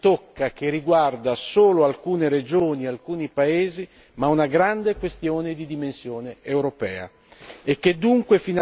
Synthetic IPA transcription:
t̪okːak̟erːiɡward̪asoːloalkuːneɾed͡ʒoːniealkuːnipaeːzi | maunaɡɾand̪ekwest̪joːned̪id̪imensjoːneewɾopɛ̰ːa̰ | ekːed̪ːuŋkwefin

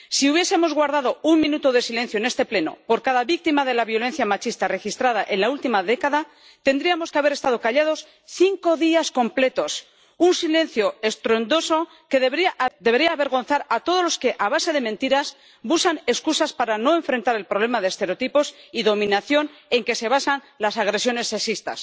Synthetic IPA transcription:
siuβjese̞mo̞zɣwaɾðaðo̞uŋmĩnut̪oð̞e̞silẽ̞n̟θjoenest̪e̞ple̞no̞̰po̞ɾkaðaβik̚t̪imaðe̞laβjo̞le̞n̟θjamat͡ʃist̪are̞xist̪ɾað̞aʔe̞nlault̪imaðe̞kaða | t̪e̞nd̪ɾiamo̞ske̞aβe̞ɾest̪aðo̞kaʎað̞o̞s | θiŋko̞ðiasko̞mple̞t̪o̞s | unsilẽ̞n̟θjo̞e̞st̪ɾond̪o̞so̞ | ke̞ðd̪ee̞ɾiaːβe̞ɾɣo̞nθaɾat̪o̞ðo̞zlo̞ske̞ʔaβase̞ð̞e̞mẽnt̪iɾas | busane̞skusaspaɾano̞e̞ɱfɾe̞nt̪aɾe̞lpɾo̞β̞le̞maðest̪eɾeot̪ipo̞siðo̞mĩnaθjo̞ne̞ŋke̞se̞β̞asan | lasaɣ̞ɾe̞sjo̞ne̞sːe̞sist̪a̰s

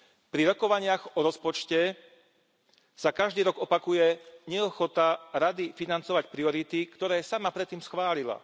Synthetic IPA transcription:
pɾiɾɔkɔʋaɲɪaɣɔɾɔspɔt͡ʃcɛ | sakaʒd̪iːɾɔɡɔpakujɛɲɛɔxɔt̪aɾad̪ifinant͡sɔʋacpɾiɔɾit̪ikt̪ɔɾɛːsamapɾɛt̪ːiːmsxʋaːʎila̰

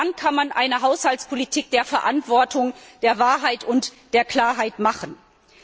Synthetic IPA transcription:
ankʰanmanʔa̰ɪnəɦaʊshaltspʰolitʰiːk̚d̥eːɐfɛɐʔantv̥ɔɐtʰʊŋd̥eːɐvaːɐɦaɪtʊntd̥eːɐkl̥aːɐɦaɪtmaχən̩

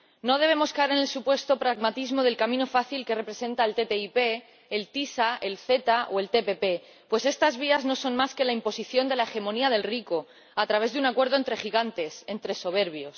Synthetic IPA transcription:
no̞ð̞e̞βe̞mo̞skaeɾene̞lsupwe̞st̪o̞pɾaɣmat̪izmo̞ðe̞lkamĩno̞faθilke̞re̞pɾe̞sẽ̞nt̪aelt̪e̞t̪eipe̞ː | lt̪isaelθe̞t̪aʔoe̞lt̪e̞pe̞pe̞ | pwe̞se̞st̪azβ̞iazno̞so̞nmaske̞laimpo̞siθjo̞nd̪e̞lae̞xe̞moniað̞e̞lriko̞ | at̪ɾaβ̞e̞zðunakwe̞ɾðoent̪ɾe̞xiɣ̞ant̪e̞se̞nt̪ɾe̞so̞β̞e̞ɾβ̞jo̞s

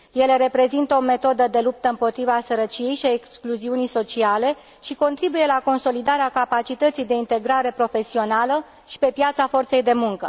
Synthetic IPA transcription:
je̞le̞ɾe̞pɾe̞zint̪əo̞me̞t̪o̞d̪əd̪e̞lup̚t̪əɨmpo̞t̪ɾivasəɾət͡ʃije̞jʃiaekskluziunijso̞t͡ʃiale̞ | ʃiko̞nt̪ɾibuje̞lako̞nso̞lid̪aɾeakapat͡ʃit̪ət̪sijd̪e̞int̪e̞ɡɾaɾe̞pɾo̞fe̞sio̞nalə | ʃi̥pe̞pjat̪safo̞rt̪se̞jd̪e̞muŋkə

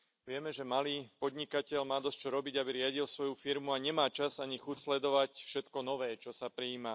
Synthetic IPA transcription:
ʋɪɛmɛʒɛmaliːpɔd̪ɲikacɛʎmaːd̪ɔsct͡ʃɔɾɔbiɟabiɾɪaɟilsʋɔjufiɾmuaɲɛmaːt͡ʃazaɲixucslɛd̪ɔʋacfʃɛt̪kɔnɔʋɛːt͡ʃɔsapɾiːma

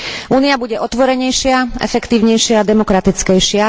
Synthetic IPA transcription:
ʔuːniabuɟɛʔɔt̪ʋɔɾɛɲɛjʃɪaɛ̰fɛkt̪iːʊɲɛjʃɪaːd̪ɛmɔkɾat̪it͡skɛjʃɪa

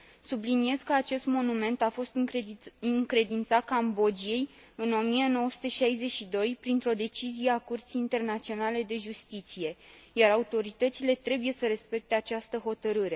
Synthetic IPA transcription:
sublinie̞z̥kəat͡ʃe̞st̪mo̞nume̞nt̪afo̞st̪ɨɨŋkɾe̞d̪int̪sakambo̞d͡ʒije̞j | ɨno̞mijeno̞wəsu̥t̪e̞ʃajze̞ʃid̪o̞jpɾint̪ɾo̞d̪e̞t͡ʃizijeakurt̪sijint̪e̞rnat̪sio̞nale̞d̪e̞ʒust̪it̪sije̞jaɾaut̪o̞ɾit̪ət̪sile̞t̪ɾe̞buje̞səɾe̞spe̞k̚t̪e̞at͡ʃast̪əɦo̞t̪əɾɨɾe̞

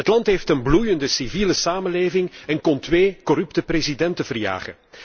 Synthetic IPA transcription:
ətlɑntɦeːftənblujəndəsiviːləsaːməleːvɪŋɛnkɔntʋeːkɔɾʏptəprezidɛntəvərja̰ːχə̰n

